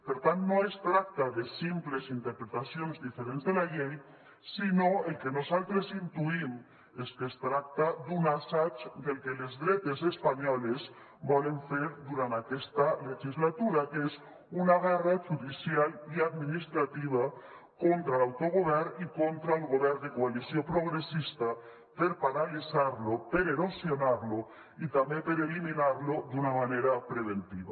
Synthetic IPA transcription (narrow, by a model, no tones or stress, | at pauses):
peɾt̪ant̪noest̪ɾak̚t̪aðesimplesint̪eɾpɾet̪asjonzðifeɾenzðelaʎej | sinoelkenosalt̪ɾesint̪uim | eskest̪ɾak̚t̪ad̪unasat͡ʃd̪elkelezðɾet̪esespaɲɔlez | bɔleɱseɾd̪uɾant̪akest̪aleʝizlat̪uɾakes | unaɣaraʒuðisjaliad̪minist̪ɾat̪iβ̞a | kont̪ɾalawt̪oɣ̞oβɛɾnikont̪ɾaelɣoβɛɾnd̪ekoalisjopɾoɣ̞ɾesist̪a | peɾpaɾalisaɾlopeɾeɾosjonaɾlo | it̪ambepeɾeliminaɾlod̪unamaneɾapɾeβ̞ent̪iβa